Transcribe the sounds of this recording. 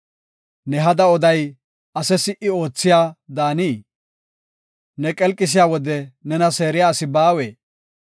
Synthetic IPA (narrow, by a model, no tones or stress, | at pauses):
nɛɦɐd̪ɐɔd̪ɐj | ɐsɛsɪʔɪo̞ːt͡sːɪjaːd̪aːniː | nɛkʼɛlkʼːɪs̬ɪjaːwɔd̪ɛnɛnɐse̞ːɾɪjaːsɪbaːweː